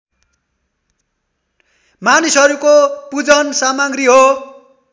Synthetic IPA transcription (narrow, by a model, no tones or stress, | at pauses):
manisʌɾukopud͡zʌnsamaɡriɦo